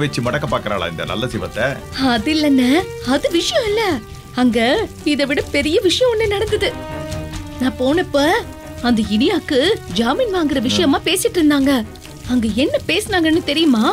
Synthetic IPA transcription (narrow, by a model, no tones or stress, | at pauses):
ʋɛt͡ʃːɯmɐɽɐkːɐpːaːɾkɐɾa̰ːɭa̰ːɪnd̪ɐ̰nɐ̰lːɐd͡ʒɪʋɐ̰t̪ːɐ | ɐðɪlːɐnːɐ | ɐðɯʋɪʂɐjɐ̃ɪlːɐ | ɐŋɡɐ | ɪðɐʋɪɽɐpɛɾɪjɐʋɪʂɐjɐ̃ɔnːɯnɐɽɐnd̪ɯðɯ | nãːpoːnɐpːɐ | ɐnd̪ɐɪɽɪjaːkːɯd͡ʒaːmiːnʋaːŋɡɪɾɐʋɪʂɐjɐmaːpeːsɪʈːɾɯnd̪aːŋɡɐ | ɐŋɡɐɛnːɐpeːsɐnaːŋɡɐnːɯt̪ɛɾɪjɯmaː